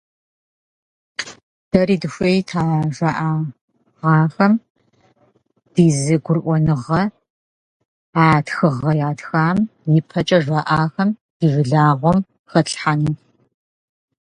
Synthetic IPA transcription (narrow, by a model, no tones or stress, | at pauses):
d̥ɐriːdɨɕʷejtʰaːʒʷaʔaː | ʁɑːxɐm | d̥iːzɨɡʷʊrʔʷɔnɨʁɐ | aːtxɨʁɐjaːtxaːmjɪpʰɐt͡ʃʼɐʒʷaʔaːxɐmd̥iːvɨɮaːʁʷɔm | xɐɬħanuː